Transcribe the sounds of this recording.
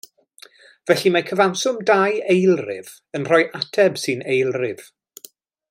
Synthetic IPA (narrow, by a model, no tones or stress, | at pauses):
vɛɬimakʰəvawsʊmdajejlˠrɪ̰v̥ | ənr̥ɔjʔatʰɛbsɨnejlˠrɪv̥